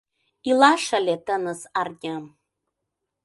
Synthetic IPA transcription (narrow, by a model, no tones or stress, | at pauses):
ilaʂalʲetʰanɨzardʲam